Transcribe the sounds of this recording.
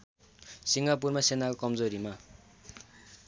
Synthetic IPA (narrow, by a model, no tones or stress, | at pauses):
siŋɡap̬urmasenakokʌmd͡zoɾima